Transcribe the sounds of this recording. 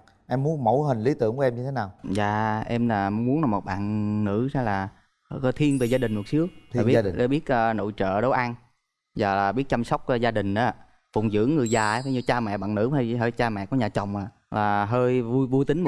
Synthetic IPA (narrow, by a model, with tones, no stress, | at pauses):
ʔɛ˧mːu˨˦ənmo̰˧˦jɦï˨˩ŋ̟li˨˦t̪ɨ̰˨˧˨əŋku˨˦ʔɛ˧mɲɨ˧t̪ʰe˨˦naː˨˩wza̰ː˧˨ʔɛ˧mlaː˨˩m˨˦mu˨˦ənaː˨˩mo˨˩t̚ɓa̰ː˧˨nːɨ̰˧˥zaː˧laː˨˩˧ | t̪ʰi˧ənve˨˩zaː˧ɗï˨˩ŋ̟m˨˩t̚sɨ˨˦˥ək̚ːɓi˦˧˨ɗɓi˦˥ət̚ʔəː˧no̰˧˨jt͡ɕə̰ː˧˨ɗo˨˦wʔa˧n | zaː˨˩laː˨˩ɓi˦˥ət̚t͡ɕa˧msa˦˥wk͡p̚ːzaː˧ɗï˨˩ŋ̟ʔaː˨˦ | fʊ˨˩wŋ͡mzɨ̰˧˥əŋːɨ˨˩əjzaː˨˩˨faː˨˦ɲɨ˧t͡ɕaː˧mɛ̰˧˨ɓa̰ː˧˨nɨ̰˧˥ha˧jɦəː˧jt͡ɕaː˧mɛ̰˧˨ku˨˩˦ɲaː˨˩t͡ɕa˨˩wŋ͡mʔaː˨ | laː˨˩ɦəː˧jjvu˧jt̪ï˨˦ŋ̟m˨